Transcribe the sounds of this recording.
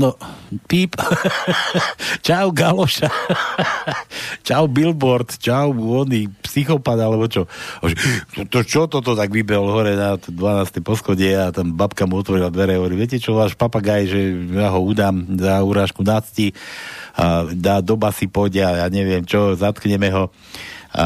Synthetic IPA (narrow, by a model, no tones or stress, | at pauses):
nɔpiːp | t͡ʃawɡalɔʃa | t͡ʃawbilbɔɾt̪t͡ʃawɔnipsixɔpad̪alɛbɔt͡ʃɔɔʒɛɔt̪ɔt͡ʃɔt̪ɔt̪ɔt̪aɡʋibɛɦɔlɦɔɾɛnat̪ɔd̪ʋanaːst̪ɛjpɔsxɔɟɛat̪ambapkamuɔt̪ʋɔɾilad̪ʋɛɾɛɦɔʋɔɾiʋɛcɛt͡ʃɔʋaːʃpapaɡajʒɛjaːɦɔuːd̪aːmzauɾaːʃkunat͡sci | a̰d̪aːd̪ɔbasipɔjɟɪajaːɲɛʋɪɛmt͡ʃɔzat̪kɲɛmɛɦɔ | a̰